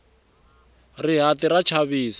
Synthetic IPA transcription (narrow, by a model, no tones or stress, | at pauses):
riɦatiɾat͡ʃʰaβiːs